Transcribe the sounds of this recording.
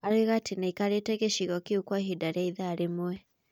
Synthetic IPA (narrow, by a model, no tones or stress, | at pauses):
aɾeɣatinaikaɾetɛɣeʃiɣɔkiukwaɦidaɾiaiðaːɾemwɛ